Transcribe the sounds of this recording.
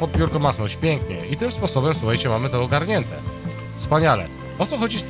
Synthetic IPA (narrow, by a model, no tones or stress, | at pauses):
pɔd̪̚pʲbʲjuɾkɔmaxnɔt͡ɕpʲjɛŋkɲɛ̰ʔit̪ɘmspɔsɔbɛmsuxajt͡ɕɛmamɘt̪ɛːɡaɾɲɛnt̪ɛ̰ | fspaɲalɛ̰ | ɔt̪sɔxɔd͡ʑis